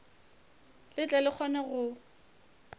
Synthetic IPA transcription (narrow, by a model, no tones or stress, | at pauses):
lɪt͡ɬʼalɪk͡xʰɔnɛɣʊ